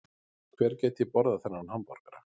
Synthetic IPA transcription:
kʰvɛːɾ̥cɛːjt̪jɪpɔɾðaθɛnːaɾnhampɔɾ̥kaɾa

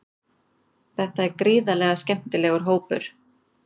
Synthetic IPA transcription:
θɛht̪aɛɾkɾiːðalɛːɣascɛm̥t̪ɪlɛːɣʏɾ̥ɦoːwpʏ̰ɾ̥

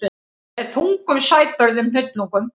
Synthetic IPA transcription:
ɛð̥θʰuŋkʏmsaːjt̪̚pœɾðʏmnʏt̪luŋkʏm

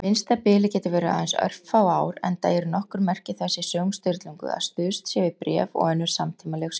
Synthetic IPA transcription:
mɪnst̪apɪːlɪcɛːt̪ʏvɛːɾaajnsœ̰r̥ffaːwaːwɾɛ̰nt̪aːjɛɾnɔhkʏɾmɛr̥cɪθɛsːɪsœːwŋst̪ʏɾt̪luŋkʏ̰a̰ðst̪ʏːst̪sjɛvɪpɾɛːvɔ̰ɣɛnːʏɾ̥samt̪ʰiːmalɛxs

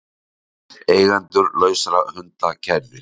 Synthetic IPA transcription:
eːjɣant̪ʏɾlœːɥsɾahʏnt̪acʰɛɾvɪɾ̥

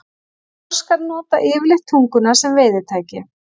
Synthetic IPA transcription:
ɔ̥skaɾnɔːt̪aʔɪːvɪlɪht̪ʰuŋkʏnḁsɛmvɪːjðɪ̥t̪ʰaːjcɪ

